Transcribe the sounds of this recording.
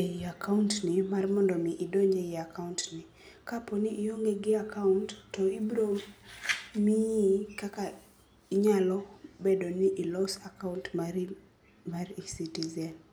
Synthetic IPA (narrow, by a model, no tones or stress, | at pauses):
iakauntnimarmɔndɔniʔidɔɲd͡ʒɛiakauntni | kapɔniʔːɔŋɡɛɡiakauntːɔibɾo | mikaka | iɲalɔbɛdɔniʔilɔsakauntm | marisitizɛn